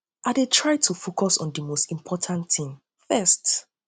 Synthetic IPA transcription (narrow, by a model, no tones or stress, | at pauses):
ʔadetʰɹaɪtʰufokɔsɔ̰̃ndimostĩmpʰɔtʰãntʰĩm | fɛst